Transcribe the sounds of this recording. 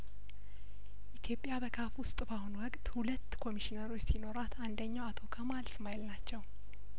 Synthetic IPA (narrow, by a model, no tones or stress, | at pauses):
ʔit̪ʰjo̞pʼːjabəkʰafwʊst̪ʼbahunwɔkʼt̪hulət̪ːkʰo̞miʃinəɾo̞t͡ʃːsino̞ɾat̪ʰand̪əɲːawat̪ʰo̞kʰəmalsmajɛlːat͡ʃːɛw